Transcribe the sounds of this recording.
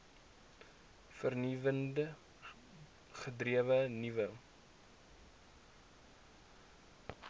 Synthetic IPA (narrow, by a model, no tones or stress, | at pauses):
fərnivəndə | χədriəvənivə